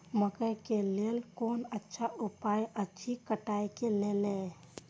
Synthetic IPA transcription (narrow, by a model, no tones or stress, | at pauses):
məkəjkelelkonətːʃʰaʔupajətːt͡ʃʰikəʈajkelele